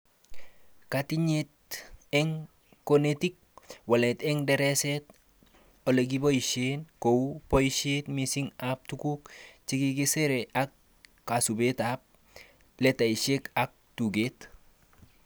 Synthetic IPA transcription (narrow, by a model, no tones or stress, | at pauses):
katiɲet̚eŋ | konetik̚waletɛŋdeɾeset | oleɡ̬iboiʃenkowpoiʃetmisiŋap̚tukukt͡ʃikiɡiseɾeak̚ː | asubetap̚ | letaiʃekak̚tuɡet